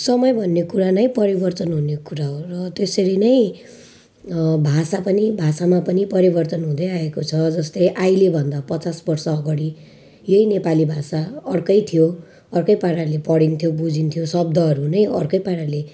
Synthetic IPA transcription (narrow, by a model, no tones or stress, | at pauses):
sʌmʌjbʱʌnːekuɾanʌjpʌɾibʌrt̪ʌnɦunekuɾaɦorʌt̪eseɾinʌj̃ | bʱasapʌnibʱasamapʌnipʌɾibʌrt̪ʌnɦũd̪ʌjaekot͡sʰʌd͡zʌst̪ʌjʔajlebʱʌnd̪apʌt͡sasbʌrsʌːɡʌɽi | jʌinepalibʱasaʌrkʌjt̪ʰijo | ʌrkʌjpaɽalepʌɽint̪ʰijobud͡zint̪ʰijosʌb̚d̪ʱʌɦʌɾunʌjʌ̰rkʌjpaɽale